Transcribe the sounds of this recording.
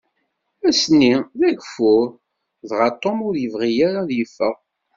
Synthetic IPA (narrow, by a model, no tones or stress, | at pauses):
æsnːiðæʝfʊɾ | ðʁɑt̪ˤːomʊɾjəvʁijaɾaðjəfːəʁ